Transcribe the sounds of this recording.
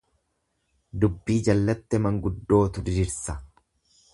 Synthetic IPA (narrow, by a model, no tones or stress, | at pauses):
d̪ʊbːiːd͡ʒɐlːɐt̪ːɛmɐŋɡʊd̪ːo̞ːt̪ʊd̪ɪdɪɾsɐ